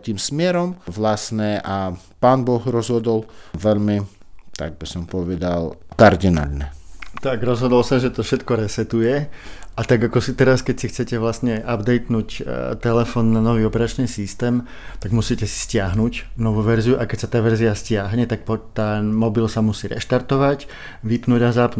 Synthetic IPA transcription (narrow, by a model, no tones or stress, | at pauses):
t̪iːmsmɪɛɾɔmʋlasnɛʔa | paːnbɔxɾɔzɦɔd̪ɔlʋɛʎmi | t̪a̰ɡ̚bisɔmpɔʋɛd̪alkaɾd̪ina̰lnɛt̪aɡɾɔzɦɔd̪ɔlsɔmʒɛt̪ɔfʃɛt̪kɔɾɛsɛt̪ujɛat̪aɡakɔsit̪ɛɾaskɛcsixt͡sɛcɛʋlasɲɛʔabd̪ɛjt̪nuːct̪ɛlɛfɔːnːanɔʋiːɔpɛɾat͡ʃniːsist̪ɛːm | t̪aɡmusiːcɛsi̥scɪaɦnucnɔʋuʋɛɾziuʔakɛcsat̪aːʋɛɾziascɪaɦɲɛt̪ak̚pɔt̪anmɔbilsamusiːɾɛ̰ʃt̪aɾt̪ɔʋac | ʋipnuːɟazapnu